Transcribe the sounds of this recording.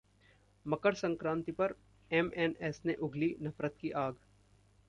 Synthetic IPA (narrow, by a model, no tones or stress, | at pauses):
mɐkəɾsɐ̃ŋkɾãːnt̪ipɐɾ | ɛmɛnɛsneʔʊɡlinɐfɾət̪̚kiʔaːɡ